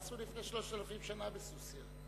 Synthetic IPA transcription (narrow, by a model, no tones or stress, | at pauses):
sulifnejʃlo̞ʃt̪alafimbʃanabesusja